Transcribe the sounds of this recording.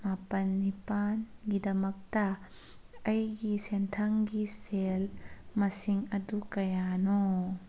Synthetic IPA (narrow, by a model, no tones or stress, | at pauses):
mapɐnːipanɡid̪ɐmɐk̚ta | ɐjɡisɛntʰɐŋɡiselmɐsiŋɐdukɐjanɔ